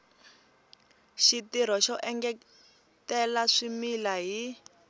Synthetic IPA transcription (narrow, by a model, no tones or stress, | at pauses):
ʃitiɾ̤ɔʃɔʔɛŋɡɛ | tɛlaʂimilaɦi